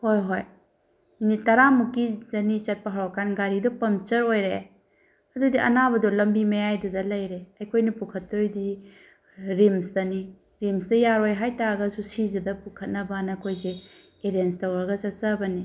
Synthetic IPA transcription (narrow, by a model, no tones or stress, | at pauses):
hojɦoj | initɐɾamukːid͡ʒɐnit͡ʃɐt̚pɐɦaɾɔkanɡaɾidɔpɐmt͡ʃɐɾojɾe | ɐdudiʔɐ̰nabɐdɔlɐmbimɐjajdudɐlɐjɾeɐjkʰojnɐpukʰɐtːuɾjdi | ɾimsdɐni | ɾimsdɐjaɾojɦajtaɡɐsusizɐdɐpukʰɐt̚nɐbanɐkʰojze | eɾenstɐwaɡɐsɐt͡ʃɐbɐni